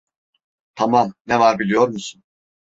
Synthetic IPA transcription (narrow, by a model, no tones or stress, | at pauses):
t̪ʰamamnɛvaɾbilʲijo̞ɾmusun